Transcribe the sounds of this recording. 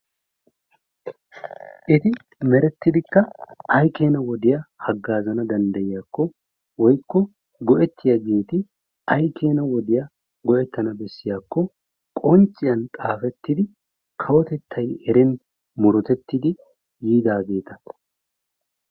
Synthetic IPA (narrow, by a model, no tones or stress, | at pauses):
ʔɪt̪ɪ | mɛɾɛt̪ːɪd̪ɪkːɐɐjke̞ːnɐwɔd̪ɪjɐhɐɡːaːzɐnɐd̪ɐnd̪ɐjɪjaːkːɔ | wɔjkːɔ | ɡɔʔɛt̪ʰːɪjɐɡe̞ːt̪ɪ | ɐjkʰe̞ːnɐwɔd̪ɪjɐ | ɡɔʔɛt̪ːɐnɐbɛsːɪjaːkːɔ | kʼɔnt͡ʃʼːɪjɐnt̪ʼaːfɛt̪ːɪd̪ɪ | kʰɐwɔt̪ɛt̪ʰːɐjɛɾɛn | mʊɾɔt̪ɛt̪ːɪd̪ɪ | jiːd̪aːɡe̞ːt̪ɐ̥